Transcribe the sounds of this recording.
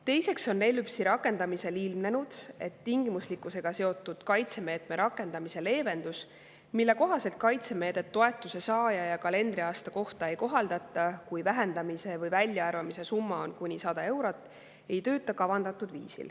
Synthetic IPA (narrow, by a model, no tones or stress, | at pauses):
t̪e̞jse̞kso̞nːe̞lypsiɾɑkːˑe̞nd̪̥ɑmise̞lilmne̞nud̪̥e̞t̪ːiŋɡ̥imuslikːˑuse̞ɡ̥ɑse̞o̞t̪ːˑud̪̥kɑjt̪se̞me̞ːt̪me̞ɾɑkːˑe̞nd̪̥ɑmise̞le̞ːve̞nd̪̥us | milːe̞ko̞ɦɑse̞lt̪̚kɑjt̪se̞me̞ːd̪̥e̞t̪ːo̞e̞t̪ːˑuse̞sɑːjɑjɑkɑle̞nd̪ɾiɑːst̪ɑko̞ht̪ɑe̞jko̞ɦɑld̪̥ɑt̪ːˑɑkujvæɦe̞nd̪̥ɑmise̞vɤjvælʲːjɑɑrvɑmise̞sumːɑo̞nkunʲisɑd̪̥ɑe̞wɾot̪ːˑ | e̞jt̪øːt̪ːˑɑkɑvɑnd̪̥ɑt̪ːˑud̪vḭːsḭl